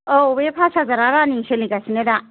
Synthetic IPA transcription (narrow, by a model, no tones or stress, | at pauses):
obepʰasazaɾaɾaniseliɡasineɾa